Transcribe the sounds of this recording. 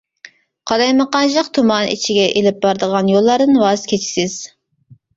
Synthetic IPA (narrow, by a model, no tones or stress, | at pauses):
qʰɑlˠɑjməqɑnʒɑqt̪ʰumɑnḭt͡ʃʰiɡʲɛʔelɪp̚bɑɾd̪əʁɑnjolˠːɑɾd̪ɨnwɑzkʲʰet͡ʃʰi̥sɪz̥